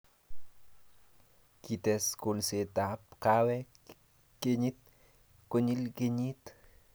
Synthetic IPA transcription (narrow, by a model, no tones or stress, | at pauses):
kit̪ɛskulset̪ap̚kawɛ | keɲit̪̚ | koɲilkeɲit̪